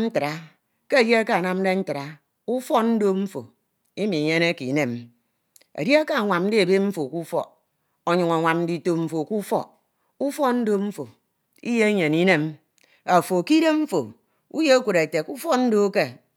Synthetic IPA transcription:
n̩˦tɨ˨ɾa˦ | ke˦e˨dje˦a˦ka˦a˨na˦m̩˦de˦n̩˦tɨ˨ɾa˨ | u˦fɔ˦n̩˦do˦m̩˦fo̰˨ | i˦mi˨ɲe˦ne˦ki˨ne˦˨m | ḛ˨dje˦a˦ka˦a˨ŋʷa˨m̩˦i˦e˨be˦ɱ̩˦fo˨ku˦fɔ̰˦ | o˨ɲu˨ŋa˨ŋʷa˨m̩˦di˨to˦m̩˦fo˨ku˦fɔ̰˦ | u˦fɔ˦n̩˦do˦ɱ̩˦fo˨ | ḭ˦je˦ɲe˨ni˦ne˦m | a˨fo˨ki˦de˦ɱ̩˦fo˨ | ṵ˦je˦a˦kʷu˨ɾe˨te˨ku˦fɔ˦n̩˦do˦ke˦

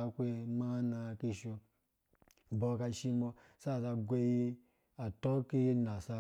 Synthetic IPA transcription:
a˧kʷe˧ma˦na˧ki˧ʃo˧˨ | bo˧˨ka˧ʃi˧mo˧ | sa˦˨sa˧ɡʷe˧ji˦ | a˨to˦ki˦ji˦na˨sa˧

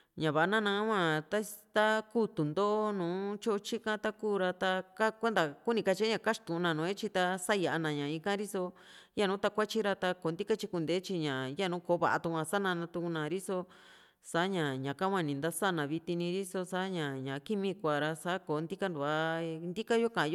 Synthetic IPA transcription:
ɲã˨βa˨a˧nã˦nã˧˦wʷã˦˧t̪a˦t̪a˦kuː˦t̪u˨nd̪o˦ʔo˦nũː˨˦t͡ʃo˦t͡ʃi˦kã˦t̪a˦kuː˦˨ɾa˧t̪a˧ka˦kʷe˦nd̪a˨ku˦nĩ˧ka˧t͡ʃi˧˦ɲã˧˨ka˦ʂt̪ũ˨˧nã˧nũː˨˦e˦t͡ʃi˧t̪a˧sa˦ja˨ʔa˧nã˨ɲã˨ĩ˧kã˦ɾi˦so˧ | ja˦nũː˨˦t̪a˧kʷa˦t͡ʃi˦ɾa˧t̪a˧ko˨˦nd̪i˦ka˦t͡ʃi˧ku˧nd̪e˨˦t͡ʃi˧ɲã˨ja˦nũ˨˦koː˨˦βa̰˨ʔa̰˧t̪u˧ã˧sa˦nã˧nã˧t̪u˧ku˧nã˧˨ɾi˦so˧ | sa˨˦ɲã˨ɲã˨ka˦wã˧nĩ˨nd̪a˦sa˦˨nã˨βi˧t̪i˧nĩ˧ɾi˦so˧sa˦ɲã˨ɲã˨ki˦mĩ˧kʷa˨ɾa˧sa˦ko˨˦nd̪i˦ka˦nd̪u˨a˧nd̪i˦ka˦jo˦kã˨˧jo˦

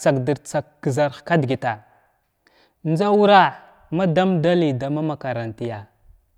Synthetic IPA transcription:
t͡sa˨kdi˨ɾt͡sa˨kɡza˨ɾxka˦dɡi˨ta˨ | nd͡za˦u˦ɾa˦ | ma˦da˦mda˦li˨da˨ma˦ma˨ka˨ɾa˨nti˨ja˨

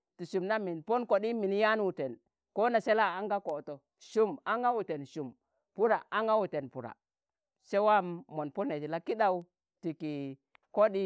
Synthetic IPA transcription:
ti˨ʃu˨mna˦mi˨npo˦nko˨ɗi˦mi˨n˦ja˦nu˨te˨n | ko˦na˨se˦la˦a˦ŋɡa˦ko˨to˨ | ʃu˦ma˦ŋɡa˦wu˨te˨nʃu˨m | pu˦ɾa̰˨a˦ŋɡa˦wu˨te˨npu˨ɾa̰˨ | se˦wa˦˨mːo˨npo˦ne˨d͡ʒi˨la˦ki˦ɗa˦wu˦ | ti˨ki˨ | ko˦ɗi˦

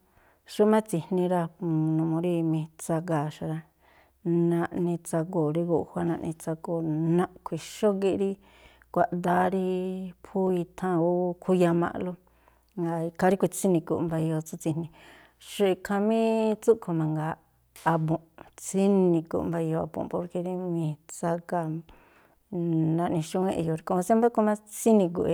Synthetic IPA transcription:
ʃu˦mã˦t͡si˧nĩ˧ɾa˧nũ˧mõ˧ɾi˧mĩ˧t͡sa˧ɡa˨ʃa˧ɾa˧ | nã˧ʔnĩ˧t͡sa˧ko˨ɾi˧ɡu˧˨hʷa˦nã˧ʔnĩ˧t͡sa˧ɡo˨nã˧ʔkʷʰi˨ʃo˦ɡi˧ʔɾi˦ | kʷa˧ʔ̪d̪a˧˦ɾi˧pʰu˦i˧t̪ʰã˧o˦˧kʰu˧ja˧mã̰˧lo˦ | ŋɡa˧i˧kʰa˧ɾi˦kʷi˧˨t͡si˦nĩ˧kṵ˨ʔmba˧o˧t͡su˧t͡si˧nĩ˧ | ʃu˧i˧kʰã˧mĩ˦t͡su˦ʔkʰo˧mã˧ŋɡaː˨˧ | bõ˨ʔt͡si˦nĩ˧kṵ˨mba˧o˧a̰˧bõ̰˨po˧ɾke˧ɾi˧mĩ˧t͡sa˧ka˧ | nã˧ʔnĩ˧ʃu˧wẽ˦˧ʔjo˧ɾi˧kõ˧sã˦mba˦ko˧mã˦t͡si˦nĩ˧k̬ṵ˧˨ʔe˧

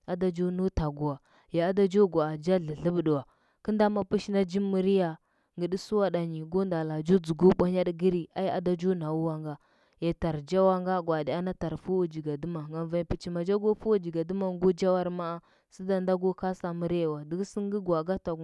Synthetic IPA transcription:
a˨da˦d͡ʒo˦nu˦ta˨ɡu˨wa˨ | ja˨a˦da˦d͡ʒo˦ɡa˨a˨d͡ʒa˦ɮi˨ɬə˦bɗu˨wa˨ | kə˦nda˦ma˨pi˦ʃna˦d͡ʒi˦mːi˨ɾi˦ja˨ | ŋɡə˨ɗi˦su˦wa˦ɗa˨ɲi˨ɡo˦nda˨la˨d͡ʒu˦d͡zu˨ɡu˦ɓa˦ɲ˦a˦ɗɡi˦ɾi˦˨a˦ja̰˨da˦d͡ʒu˦na˨wu˦wa˦ŋɡa˦ | ja˨ta˨ɾd͡ʒa˦wa˦ŋɡa˦ɡwa˨di˨a˦na˦ta˨ɾfu˦wa˦d͡ʒi˨ɡa˨du˦ma˨ŋɡa˨va˨pi˨t͡ʃi˨ma˨d͡ʒa˦ɡo˦fu˦wa˦d͡ʒi˨ɡa˨du˦ma˨ŋ˦ɡu˦d͡ʒa˦wa˦ɾma˦a˦ | si˦da˦nda˦ɡu˦ka˦sa˨mi˦ɾi˦jwa˨di˨ɡsi˦ŋ˦ɡi˦ɡa˨ɡa˦ta˨

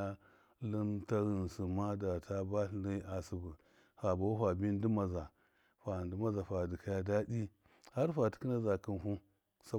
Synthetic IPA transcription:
lu˦mta˦ɣi˨nsu˨ma˦da˨ta˦ba˦ɬli˦ʔa˨si˨bu˨ | ha˨ba˨wu˦ɸa˨bi˦n˦di˦ma˨za˨ | ɸa˨ndu˦ma˦za˨fa˨di˨ka˨ja˦da˦di˦ | ha˦ɾfa˨ti̥˦ki˦na˦za˨ki˦nɦu˦ | sa˦

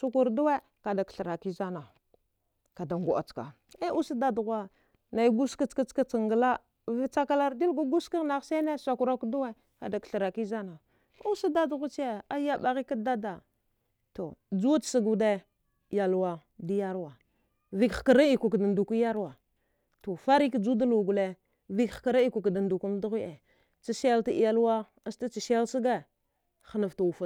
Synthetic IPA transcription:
su˦ku˨ɾdu˦we˦ | ka˨da˨kɬə˨ɾa˨ki˦za˦na˨ | ka˨da˨ŋɡu˨ʔa̰˨t͡ska̰˨ | e˦ʔu˦si˦da˦dɣa˦ | na˨i˦ɡu˦ski˦t͡ska˦t͡ska˦t͡si˨ŋɡə˨la˦ | vi˦t͡sa˦ka˦la˦ɾdi˦lɡu˦ɡu˦ski˦ɣna˨ɣse˦ne˦sa˨ku˨ɾa˦kdu˦we˦ | ka̰˨da˨kɬə˨ɾa˨ki˦za˦na˨ | u˦si˦da˦dɣu˦t͡ʃe˦a˦ja˦ɓa˨ɣi˦ka˦da˦da˨ | to˨d͡ʒu̥˦˨si˨ɡu˨de˦˨ | ja˨lwa˨ | di˦ja˦ɾwa˨ | vi˦kkə˨ɾa˦i˨ku˨kda˨ndu˨ki˦ja˦ɾwa˨ | to˨fa˦ɾi˦kd͡ʒu˦da˦lu˨ɡu˨le˨ | vi˦kxka˨ɾa˦i˦ku˨kda˨ndu˨ku˦m˦du˦ɣi˦ʔe˨ | t͡si˨se˦lti˦˨ja˨lwa˦ | a˦sta˦t͡ʃi˨se˦si˦ɡa˦ | xə˨na˨fta˨u˨fa˨

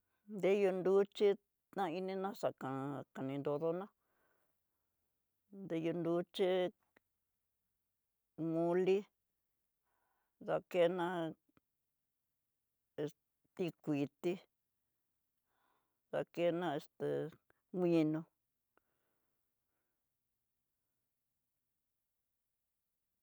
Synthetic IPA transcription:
nd̪e˦jo˧nd̪u˦t͡ʃi˦ | t̪ã˦˧i˧nĩ˧nã˦ʂa˨kã˨ka˨nĩ˧nd̪o˧ðo˦nã˦ | nd̪e˧˦jo˧nd̪u˦t͡ʃi˦ | mũ˧li˦ | ða˧ke˦nã˦ | e˧s | t̪i˧kʷi˨t̪i˦ | ða̰˧ke˦nã˦˧e˧st̪e˨ | ŋʷĩ˧nũ˧

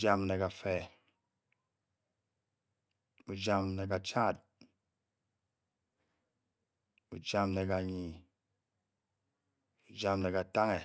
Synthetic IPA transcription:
d͡ʒa˦mne˨ka˨fɛ˨ | u˨d͡ʒa˦mne˨ka˨t͡ʃa˦˨t̚ | u˨d͡ʒa˦mne˨ka˨ɲi˨ | u˨d͡ʒa˦mne˨ka˨ta˦ŋe˨

